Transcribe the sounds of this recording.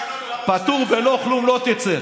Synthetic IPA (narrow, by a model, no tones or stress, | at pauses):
pat̪uʁbenoχlumlot̪it͡se